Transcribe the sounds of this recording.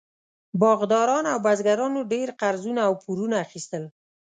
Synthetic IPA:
bɑɣd̪ɑɾɑnawbazɡaɾɑnoɖeɾqaɾzunaːwpuɾunaːxist̪əl

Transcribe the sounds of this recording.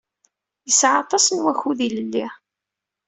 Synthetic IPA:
jəsʕɑt̪ˤɑsnwæçuðiləlːi

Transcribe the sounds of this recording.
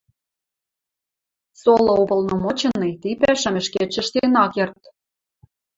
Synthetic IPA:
solɤ̆obɤ̆lnɤ̆mot͡ɕɤ̆nːɤjt̪ipæʃɘ̆mɘ̆ʃket͡ɕɘ̆ʃt̪enɑkɤ̆rt̪

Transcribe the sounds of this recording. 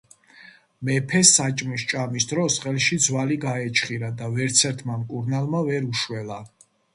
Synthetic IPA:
mɛpʰɛsat͡ʃʼmist͡ʃʼamisd̪ɾɔsχɛlʃid̪zwaliɡaɛt͡ʃʰχiɾad̪avɛɾt̪sʰɛɾt̪ʰmamkʼuɾnalˠmavɛɾuʃwɛla

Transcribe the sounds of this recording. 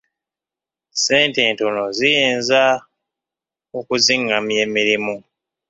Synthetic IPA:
seːnteːnto̞nozijeːnza | okuziŋamje̞ːmiɾimu

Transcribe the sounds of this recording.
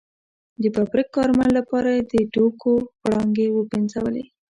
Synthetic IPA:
d̪əbabɾɪkːɑɾmanlapɑɾajed̪əɖokoɽɑŋɡewəbenzawəlḛ

